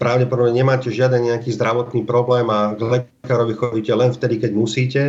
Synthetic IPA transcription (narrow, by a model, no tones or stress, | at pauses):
pɾaʊɟɛpɔd̪ɔbɲɛɲɛmaːcɛʒɪad̪ɛnɲɛakiːzd̪ɾaʋɔt̪niːpɾɔblɛːmaɡlɛ | kaːɾɔʋixɔʋiːcɛlɛnft̪ɛd̪ikɛɟmusiːcɛ